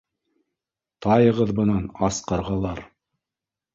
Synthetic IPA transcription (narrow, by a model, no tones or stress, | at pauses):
t̪ɑjɤ̆ʁɤðbɤ̆nɑnɑsqɑɾʁɑlˠɑɾ